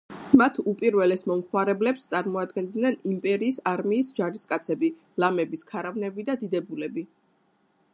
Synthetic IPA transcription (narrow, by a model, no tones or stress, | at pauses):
mat̪ʰupʼiɾvɛlɛsmɔmχwaɾɛblɛpst̪sʼaɾmɔad̪ɡɛnd̪nɛnimpʼɛɾiːsaɾmiːsd͡ʒaɾiskʼat̪sʰɛbi | lamɛbiskʰaɾavnɛbid̪ad̪id̪ɛbulɛbi